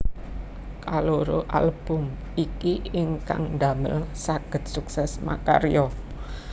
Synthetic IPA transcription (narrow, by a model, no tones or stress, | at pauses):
kaloɾoʔa̰lb̥ʊ̤m | ikiɪŋka̰ŋd̪amɪ̰lsaɡ̥ə̤t̪̚suksɛsma̰ka̰ɾjɔ